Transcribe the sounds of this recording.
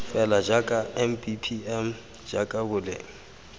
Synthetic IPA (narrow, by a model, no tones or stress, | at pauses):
fɛlad͡ʒakʼaɛmpipʰiɛm̩ | d͡ʒakʼabʊlḛːŋ̩